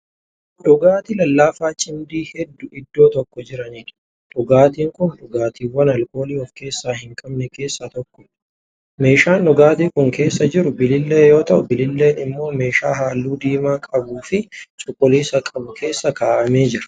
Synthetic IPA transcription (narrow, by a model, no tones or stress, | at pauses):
ᶑɔɡaːt̪ɪlɐlːaːfaːt͡ʃʼɪnd̪iːhɛd̪ːʊɪd̪ːo̞ːt̪ɔkːɔd͡ʒɪɾɐniːᶑ | ᶑɔɡaːt̪iːŋkʊnᶑɔɡaːt̪iːwɐnɐlko̞ːliːɔfke̞ːsːaːhɪŋkʼɐbnɛke̞ːsːat̪ɔkːɔ | me̞ːʃaːnᶑɔɡaːt̪iːkʊŋke̞ːsːɐd͡ʒɪɾʊbɪlɪlːe̞ːjo̞ːt̪ɐʔʊbɪlɪlːe̞ːnɪmːo̞ːme̞ːʃaːɦaːlːuːd̪iːmaːkʼɐbuːfɪt͡ʃʼʊkʼːʊliːsɐkʼɐbʊkʰe̞ːsːɐkaːʔɐme̞ːd͡ʒɪɾɐ̥